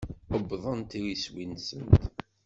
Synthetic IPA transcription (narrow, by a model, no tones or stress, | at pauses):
əbːðˤənt̪iɾiswinsənt̪